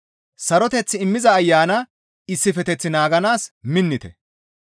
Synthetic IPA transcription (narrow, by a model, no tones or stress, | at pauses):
sɐɾɔt̪ɛt͡sːɪɪmːɪzɐːjːaːnɐ | ɪsːɪfɛt̪ɛt͡sːɪnaːɡɐnaːsmɪnːɪt̪ɛ̰